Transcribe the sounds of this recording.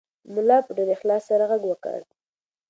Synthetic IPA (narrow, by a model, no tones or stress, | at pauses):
mʊlɑpəɖaɾexlɑsːaɾaɣaɡwəkə̰ɽ